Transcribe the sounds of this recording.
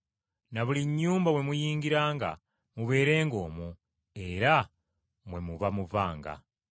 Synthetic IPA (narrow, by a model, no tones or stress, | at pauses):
naβuliɲːuːmbawe̞mujiːŋɡiɾaːŋɡa̰ | muβe̞ːɾe̞ːŋɡo̞ːmu | e̞ɾa | mwe̞muβamuvaːŋɡa̰